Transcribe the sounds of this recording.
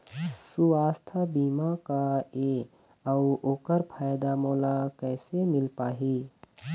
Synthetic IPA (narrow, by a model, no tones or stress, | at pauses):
suaːst̪ʰabiːmakaeː | əʊoːkəɾpʰaːjd̪amɔːlakɛːsemɪlpaːɦiː